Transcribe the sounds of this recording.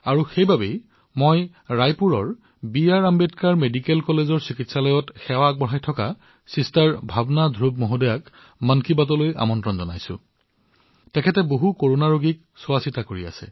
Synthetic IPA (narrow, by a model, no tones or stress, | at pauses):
aɹuxejbabej | moj | ɹajpuɹɔɹ | biaɹambetkaɹmedikelkɔlezɔɹsikitsalɔjɔtxɛwak̚bɔɹɦajtʰɔka | sistaɹbʱabnadʱɹub̚moɦudɔjak | mankibat̬ɔlojʔa̰mɔntɹɔnzɔna̰jsʊ̰̃ | tɛkʰɛtɛboɦukoɹonaɹoɡik̚ | sʊasitakoɹia̰sɛ̰